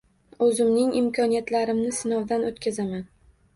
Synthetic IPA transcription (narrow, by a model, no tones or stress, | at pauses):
ɵzɪmnɪŋɪmkʰɒnijat̪laɾɪmnɪsɪnɒwd̪anot̪kʲazaman